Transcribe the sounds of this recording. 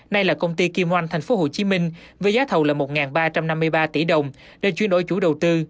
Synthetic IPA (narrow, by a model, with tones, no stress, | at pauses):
na˧jlaː˨˩kə˧wŋ͡mt̪i˧ki˧mhwa˧jŋt̪ʰɛ˨˩jŋ̟fo˨˦ɦo˨˩t͡ɕi˨˦mï˧ŋ̟və˨˦zaː˨˦t̪ʰə˨˩wlaː˨˩mo˨˩t̚ŋaː˨˩nɓaː˧t͡ɕa˧mna˧mːɨ˧əjɓaː˧t̪i˧˩˦ɗə˨˩wŋ͡m | ɗe˧˩t͡ɕwi˧ənɗo̰˧˩˦jt͡ɕu˧˩˦ɗə˨˩wt̪ɨ˧